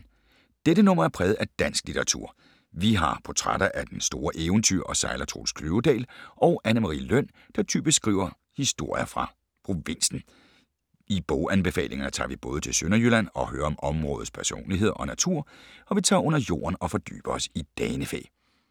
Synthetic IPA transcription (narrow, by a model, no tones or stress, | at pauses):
d̥ed̥ənɔ̽m̰ɐæɐpʰʁɛːð̩ˠæd̥æn̰sɡ̥lit͡sʰeʁɑ̈t͡sʰṵɐ̰ | ʋiɦɑ̈pʰɒ̽t͡sʰʁad̥ɐʔæd̥ensd̥o̝ːɐʔeʊn̩t͡sʰy̰ɐ̰ʔɒ̽sɑ̈ɪlɐt͡sʰʁo̰ːlskʰløʊd̥ɛ̰ːlʔɒ̽ʊʔænəmɑʁḭːløn̰ | d̥ɑ̈t͡sʰy̰ːb̥isɡ̥ʁḭːʊ̰ɐ | hisd̥o̝ɐ̰jɐfʁɑ̈ | pʰʁo̝ʋe̝n̰sn̩ | ib̥ɔʊænb̥e̝fɛ̰ːlʔe̝ŋɐnət͡sʰɑ̰̈ːʋib̥ɔ̽ːð̞̩ˠət͡sʰe̝lsønɐjylæn̰ɒ̽høːɐɒ̽mɒ̽mʁɔ̽ːð̞̩ˠspʰæɐso̝̰ːnliɦe̝ð̞̰ˠɒ̽næt͡sʰuɐ̰ɒ̽ʋit͡sʰɑ̰̈ːɔ̽n̰ɐjo̝̰ːɐnɒ̽fɒ̽d̥y̰ːb̥ɐɒ̽sid̥ɛːnəfḛː